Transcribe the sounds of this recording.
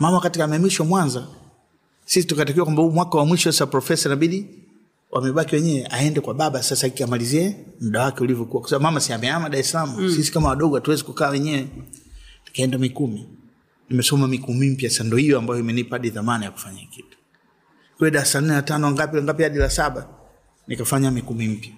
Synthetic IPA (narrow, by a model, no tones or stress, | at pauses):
mamawakatikamaɛmiʃɔmwanza | sisitukat̬ak̬iwakwambahuːmwakawamwiʃɔsasapɾɔfɛsanaɓiɗi | wʔamɛɓakiwɛɲɛwɛʔaɛndɛkwaɓaɓasasaikiamaliziɛm̩ɗawakɛulivjɔkuwakwasaɓabumamasiamɛamaɗaɾɛsalamusisi̥kamawaɗɔɡɔatuwɛzɛkukaːwɛɲɛwɛ | ni̥kaɛndamikumi | nimɛsɔmamikumim̩pjaasandɔhijɔambajɔimɛnipaɗiðamanajaku̥faɲa̰kitu̥ | kwɛɔɗaasan̩ɛlatanɔaŋɡapiaŋɡap̬ihaɗilasaɓa | nikafaɲamikumim̩pja